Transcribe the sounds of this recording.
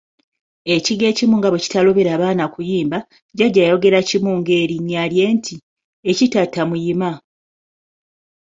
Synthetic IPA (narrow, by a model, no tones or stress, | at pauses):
e̞ciɡe̞ːcimuːŋɡaβoci̥talo̞βe̞ɾaːβaːnakujiːmba | ɟaɟajo̞ɡe̞ɾacimuːŋɡe̞ːɾiɲaːlje̞ːntʰi | ecitatːamujima